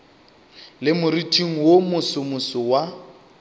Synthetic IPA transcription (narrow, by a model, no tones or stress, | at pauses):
lɪmʊritʰʼiŋ̩womʊsʊmʊsɔwa